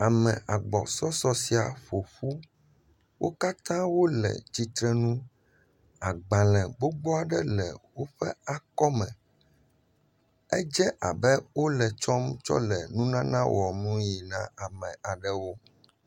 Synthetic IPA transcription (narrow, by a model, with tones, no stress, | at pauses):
a˨mɛ̰̃˨ʔa˨ɡ͡bɔ̰˨sɔ˦sɔ˦si˨a˨ɸo˨ɸu˦ | wʔo̰˦ka˦t̪ã˦wo˦lɛ̰˨t͡ɕi˨t̪ɾɛ˦nũ˦ | a˨ɡ͡bã˨lɛ̃˨ɡ͡bo˦ɡ͡bɔ˦a˨ɖɛ˦lɛ̰˨wo˦ɸɛ˦a˨kɔ˦mɛ̰̃˨ | ɛ˦d͡ʒɛ˦ʔa̰˨bɛ˦wo˦lɛ˨t͡ʃɔ˦mt͡ʃɔ̰˦lɛ˨nũ˦nã˦nã˦wʔɔ˨nũ˦ji˨nã̰˦a˨mɛ̃˨ʔa˨ɖɛ˨wo˦